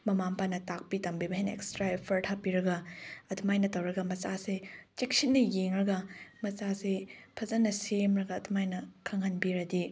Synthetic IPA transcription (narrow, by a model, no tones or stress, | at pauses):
mɐmampʰanɐtak̚pitɐmbibɐɦejnɐḛkstɾaepʰɐɾʈʰapːiɾɐɡɐɐdumajnɐtɐwɾɐɡɐmɐsaset͡ʃek̚sit̚nɐjeŋɾɐɡɐmɐsasepʰɐzɐnːɐsemɾɐɡɐːdumajnɐkʰɐŋhɐnbiɾɐdi